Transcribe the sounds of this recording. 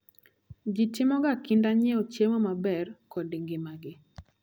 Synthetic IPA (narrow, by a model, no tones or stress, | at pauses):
d͡ʒɪtɪmɔɡakɪndaɲɛot͡ʃjemɔmabɛrkɔdiŋɡɪmaɡɪ